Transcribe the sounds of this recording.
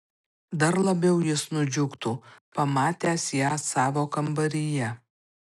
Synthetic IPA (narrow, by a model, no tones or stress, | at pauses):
d̪ɐɾlˠɐbʲɛʊjɪsnʊd͡ʒʲʊkt̪uːpɐmɑːt̪ʲæːsjæːsɑːʋoːkɐmbɐɾʲɪjɛ